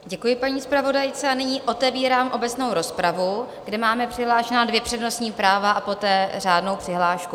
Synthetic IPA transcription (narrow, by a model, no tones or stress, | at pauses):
ɟɛkujɪpaɲiːspɾavo̞dajt͡sɛanɪɲiːʔo̞t̪ɛviːɾaːmʔo̞bɛt͡sno̞wɾo̞spɾavu | ɡdɛmaːmɛpr̥ɪɦlaːʃɛnaːdvjɛpr̥ɛdno̞sɲiːpɾaːvaapo̞t̪ɛːraːdno̞wpr̥ɪɦlaːʃku